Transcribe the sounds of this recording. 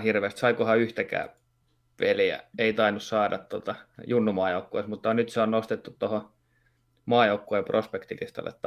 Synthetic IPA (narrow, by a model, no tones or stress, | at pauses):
hirʋeːˑst̪sɑikohɑyht̪ækæ̰ː | ʋeljæ̰eit̪ɑinːussɑːdɑt̪t̪ot̪ɑjunːumɑːjoukːoismut̪ːɑnyt̪seonnost̪et̪ːut̪t̪oho | mɑːjoukːoˑeprʔospekt̪ḭlḭst̪ɑ̰lːḛt̪ː